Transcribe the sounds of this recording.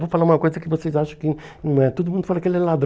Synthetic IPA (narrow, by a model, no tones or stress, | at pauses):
vofalaũmɐkojzɐkɪvosezaʃɐ̃kɪ | nɐ̃ɛt̪od̪umũnd̪ufoɾɐkelɛlad̪